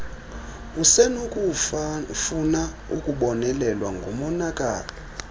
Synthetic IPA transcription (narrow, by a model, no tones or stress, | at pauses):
usɛnok | funa | ukʼuɓɔnɛlɛlwaŋɡʱumɔnakʼa̰ːlɔ